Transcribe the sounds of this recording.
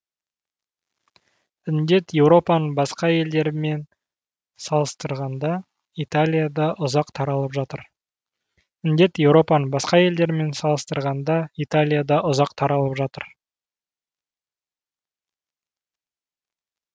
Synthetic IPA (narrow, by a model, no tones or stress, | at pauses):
ɪnd̪e̞t̪je̞wɾo̞pɑnəbɑsqɑje̞ld̪e̞ɾɪme̞n | sɑlˠəst̪əɾʁɑnd̪ɑ | it̪alʲijad̪ɑʔʊzɑqt̪ʰɑɾɑlˠəpʒɑt̪əɾ | ɪnd̪e̞t̪je̞wɾo̞pɑnəbɑsqɑje̞ld̪e̞ɾɪme̞nsɑlˠəst̪əɾʁɑnd̪ɑit̪alʲijad̪ɑʔʊzɑqt̪ʰɑɾɑlˠəpʒɑt̪əɾ